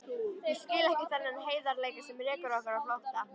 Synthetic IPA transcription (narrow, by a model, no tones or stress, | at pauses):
jɛscɪːlaɛhcɪθɛnːɪanɦeːjðaɾleːjkɪsɛmrɛːkʏɾɔhkaɾawlaht̪a